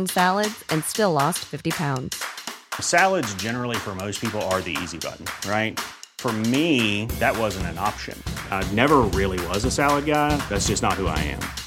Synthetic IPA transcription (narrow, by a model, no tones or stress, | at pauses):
nsælˠədz̥ɨ̃nstɪlɔstfɪftipʰãʊ̃ndz̥sælˠədzd͡ʒɛnə˞l̩ˠifə˞moʊspʰipl̩ˠə˞ðḭḭzibʌ̰ʔn̩ɹaɪt̚fə˞miðɨt̚wʌzɨ̃ntɨ̃nɑ̰pʃɨ̰̃nnɛvə˞ɹɪlˠiwʌzəsælˠəd̚ɡaɪðætsd̥ʒ̥ʌsnət̚hua̰ɪɨ̰̃m